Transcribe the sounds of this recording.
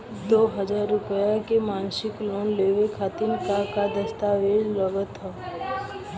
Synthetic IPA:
d̪oːɦəd͡ʒaːɾːʊpəjakemãːnsɪkloːnleːʋekʰaːt̪ɪnkakad̪ɐst̪aːʋeːd͡ʒləɡət̪ɦɛ

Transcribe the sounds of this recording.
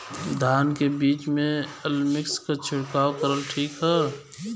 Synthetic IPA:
d̪ʱaːnkebiːt͡ʃmẽəlmɪkskat͡ʃʰʊɽkaːwkəɾəlʈʰiːkɦɛ

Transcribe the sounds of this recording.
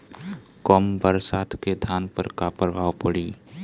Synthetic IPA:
kɔmbəɾsaːt̪ʰked̪ʱaːnpəɾkaːpəɾɡaːwpəɽiː

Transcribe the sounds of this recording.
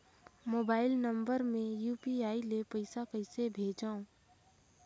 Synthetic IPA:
moːbaːɪlnə̃mbəɾmẽjuːpiaːilepəɪsakəɪsebʱeːd͡ʒaːõ

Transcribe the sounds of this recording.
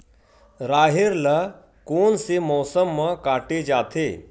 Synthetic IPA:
ɾaːɦɪɾlə | koːnsemɔːsəmːəkaːʈed͡ʒaːt̪ʰeː

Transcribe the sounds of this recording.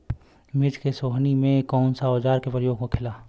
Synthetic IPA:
mɪd͡ʒkesoːɦnimẽkɔːʊnsaoːd͡ʒaːɾkepɾəjoːɡ̚kokʰɪlaː

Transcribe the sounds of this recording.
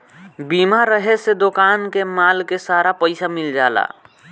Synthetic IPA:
bimaɾəɦesed̪okankemalkesaɾapəɪsamild͡ʒaːla̰

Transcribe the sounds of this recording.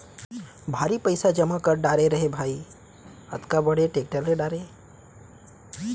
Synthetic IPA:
bʱaɾipəɪsad͡ʒəmakəɾɖaɾeɾəɦebʱai | ət̪kabəɽeʈek̚ʈəlːeɖaɾe

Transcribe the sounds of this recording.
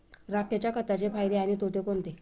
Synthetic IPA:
ɾakjat͡ɕjakət̪at͡ɕepajɾeañiːt̪oʈekont̪e

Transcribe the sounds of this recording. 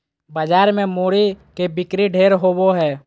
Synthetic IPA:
bəd͡ʒaːɾmẽmoːɾikebɪkɾiɖʱeːɾɦoːboɦɛː

